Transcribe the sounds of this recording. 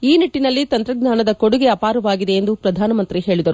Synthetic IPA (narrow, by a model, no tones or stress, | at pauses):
iːniʈːinɐlːit̪ɐnt̪ɾɐɡnaːnɐd̪ɐkoɽuɡeɐpaːɾɐʋaːɡid̪e̞ːnd̪upɾɐd̪ʱaːnɐmɐnt̪ɾiɦe̞ːɭid̪ɐɾu